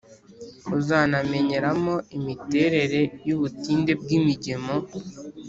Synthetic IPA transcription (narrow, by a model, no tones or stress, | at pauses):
uzaname̞ɲe̞ɾamo̞imite̞ːɾe̞ɾe̞juβutiːnde̞b̚ɡimiɟe̞mo̞